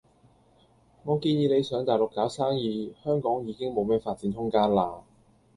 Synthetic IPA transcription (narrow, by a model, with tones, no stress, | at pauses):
ŋɔː˨˧kiː˧njiː˨˧le˨˧jsœː˨˥ŋt̪aː˨˩jlʊ˨kːaː˨˥wsaː˥ŋjiː˨˧hœː˥ŋkɔː˨˥ŋjiː˨˧kɪ˥ŋmo˨˧wmɛː˥faː˧t̚t͡siː˨˥nt̪ʰʊ˥ŋkaː˥nlaː˧